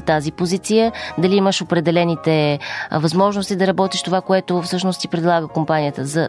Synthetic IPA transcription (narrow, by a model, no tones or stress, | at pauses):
t̪azipozit̪sijəd̪ɐliiməʃopɾɛd̪ɛlɛnit̪ɛvɐzmɔʒnost̪id̪ɐɾɐbɔt̪iʃt̪ovakoɛt̪ofsɤʃnost̪ipɾɛd̪lˠaɡəkompanijət̪əzɐ